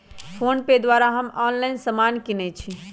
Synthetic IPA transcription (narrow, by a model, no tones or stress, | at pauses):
pʰonped̪waɾaɦəmɔnlaɪnsəmankinɛt͡ʃʰi